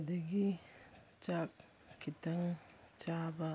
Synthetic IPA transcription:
dɐɡi | t͡ʃak | kʰːitɐŋ | t͡ʃaba

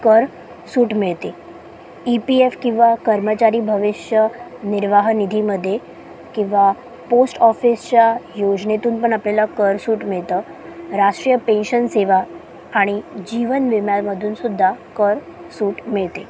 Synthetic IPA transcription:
kəɾ | suːʈmiɭt̪e | ipiefkĩw̃ʋakəɾmət͡ɕaɾiːbʱəʋiʂjəniɾʋaɦnid̪ʱiməd̪ʱːje | kĩw̃ʋa | posʈɔfist͡ɕjajod͡ʑnet̪uːnpəɳaplalakəɾsuːʈmiɭt̪əːɾaʂʈɾijəpenɕənseʋaː | ɽ̃id͡ʑiʋənʋimjalməd̪ʱuːnsud̪ʱːakəɾ | suːʈmiɭt̪e

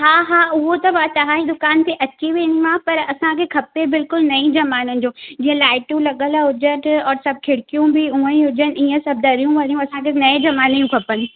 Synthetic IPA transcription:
ɦaːɦaːʊɦot̪ɐbat̪ɐɦãːĩd̪ʊkaːnt̪ʰeʔɐt͡ɕiʋẽːniʋãpɐɾɐsãkʰekʰɐpebɪlkʊlnɐĩd͡ʑɐmaːnənɪ̆d͡ʑõːd͡ʑĩːə̃laːɪʈũlɐɠəlaɦʊd͡ʑəʈɔːɾsɐb̚kʰɪɽkijũbɪuə̃ĩɦʊd͡ʑənɪ̆iːə̃sɐb̚d̪ɐɾijũʋɐɾijũɐsãkʰenɐĩd͡ʑɐmaːnijũkʰɐpənɪ̆

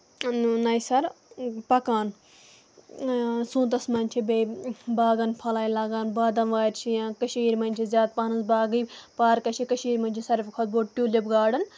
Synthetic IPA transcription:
nɐjsɐɾpɐkaːn | sũːt̪̬ɐsmɐnʲt͡ʃʰibebaːɡɐnpʰɐlaːilaːɡaːnbaːd̪ɐmʋaːɾt͡ʃʰijaːkɐʃiːɾmɐnʲt͡ʃʰizʲaːt̪̚paːnɐnzbaːɡiːpaːɾkɐt͡ʃʰikɐʃiːɾmɐnʲt͡ʃʰisɐɾfʲkʰɐt̪̚boːʈʈʲjuːlʲibɡaːɽɐn

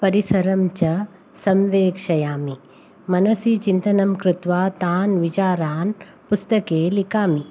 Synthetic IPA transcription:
pɐɾisɐɾɐmt͡ʃɐ | sɐmʋeːkʂɐjaːmi | mɐnɐsit͡ʃint̪ɐnɐmkɾɪt̪ʋaːt̪aːnʋit͡ʃaːɾaːn | pʊst̪ɐkeːlikaːmi

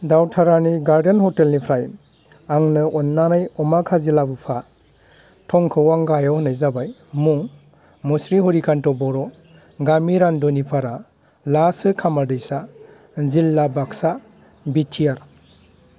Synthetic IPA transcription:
dawtʰaɾaniɡaɾdenhɔtelnipʰɾaj | aŋnɯɔnːanajɔmakʰazilabɯpʰa | tʰɔŋkʰɯwaŋɡajɔwhɔnajzabajmuŋ | mɔsɾiɦɔɾikʰantɔbɔɾɔ | ɡamiɾandɔnipʰaɾa | lasɯkʰamaɾdɯjsa | zilːabaksa | bitʰijaɾ

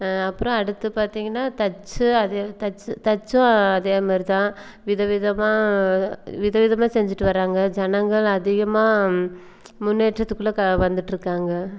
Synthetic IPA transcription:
ɐpːɯɾɔ̃ɐɽɯt̪ːɯpaːɾt̪iːŋɡɐnːaːt̪ɐt͡ʃːɯɐðt̪ɐt͡ʃːt̪ɐt͡ʃːʊ̃ɐðeːɣɐmaːɾɪt̪ãː | ʋɪðɐʋɪðɐmaː | ʋɪðɐʋɪðɐmaːsɛɲd͡ʒɪʈːɯʋɐɾaːŋɡɐd͡ʒɐnɐŋɡɐɭɐðɪɣɐmaː | mʊnːeːʈɾɐt̪ːɯkːɯɭːɐkʋɐnd̪ɯʈːɪɾɯkːaːŋɡɐ

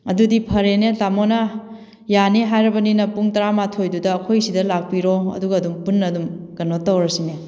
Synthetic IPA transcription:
ɐdudipʰɐɾenetamonɐ | janeɦajɾɐbɐninɐpuŋtɐɾamatʰojdudɐːkʰojsidɐlak̚piɾoɐ̰duɡɐːdumpunːɐdumɡ̥ɐnotːɐwɾɐsine

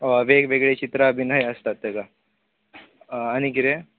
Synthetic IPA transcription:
ʋeɡʋeɡɭet͡ʃit̪ɾaːbʱinɦɐjɐst̪at̪ːeɡa | ɐniɡiɾe

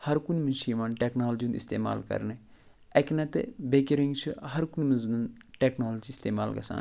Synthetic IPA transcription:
hɐɾkunmɐnt͡ʃʰimaːnʈeːknaːld͡ʒiunḭst̪ḛːma̰ːlkɐ̰ɾne | ɐknɐt̪bekeɾiŋɡt͡ʃʰiɦɐɾkunʲmɐnznunʈeːknaːld͡ʒist̪eːma̰ːlɡɐ̰sa̰ːn

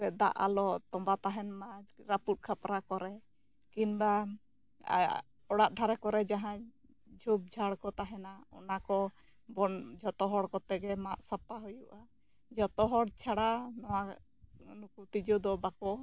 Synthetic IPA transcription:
ɛd̪a̰ʔa̰lɔt̪ɔmbat̪aɦɛnmaɾaput̪̚ˀkʰapɾakɔɾɛ | kinba̰ | ɔɽaʔd̪ʱaɾɛkɔɾɛd͡ʒaɦã | d͡ʒʱub̚d͡ʒʱaɽkɔt̪aɦɛnaɔ̰nakɔ | bɔnd͡ʒɔt̪ɔɦɔɽkɔt̪ɛɡɛmaʔsapaɦujuʔa | d͡ʒɔt̪ɔɦɔɽt͡ʃʰaɽanɔwa | nukut̪id͡ʒɔd̪ɔbakɔ

